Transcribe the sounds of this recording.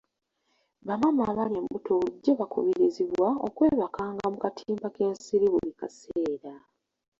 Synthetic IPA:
βamamaβaljemumutoβuluɟːeβakṵβiɾiziβwao̰kwe̞ːβakaːŋɡamukatʰiːmbake̞ːnsiɾiβṵlika̰seːɾa

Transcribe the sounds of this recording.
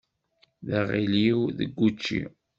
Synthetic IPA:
ðæʁiliwðə̰ɡʷːut͡ʃːḭ

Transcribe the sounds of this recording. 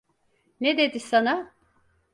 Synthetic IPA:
ned̪ed̪isana

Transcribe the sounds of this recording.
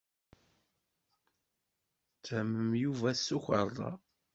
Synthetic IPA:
t͡sːæməmjuvæsːuçə̰ɾˤðˤɑ̰

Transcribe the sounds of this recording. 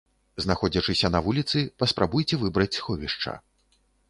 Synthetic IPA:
znaxɔd͡zʲɐt͡ʂɨsʲɐnɐvulʲit̪sɨpɐspɾabujt͡sʲɛvɨbɾɐt͡sʲsxɔvʲiʂt͡ʂɐ̰

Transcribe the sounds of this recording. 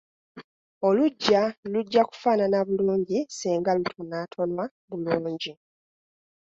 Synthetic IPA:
o̞luɟːaluɟːaku̥faːnanaβuluːɲɟisiːŋɡalutʰonatʰo̞nwa | βuluːɲɟi

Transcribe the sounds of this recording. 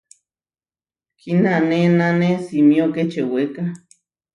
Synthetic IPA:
kʰinanenanesimioket͡ʃeweka

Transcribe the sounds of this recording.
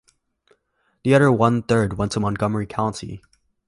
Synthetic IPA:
ðiʌðə˞wʌ̃nθɜ˞d̚wɛ̃ntʰə̃mə̃nɡʌmə˞ikʰãʊ̃ntʰḭ

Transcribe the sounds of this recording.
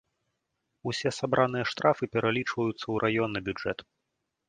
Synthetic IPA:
usʲɛsabɾʔanɨjɐʂt̪ɾafɨpʲɛɾalʲit͡ʂvɐjut̪sːɐwɾʔajɔnːɐbʲud͡ʐɛt̪

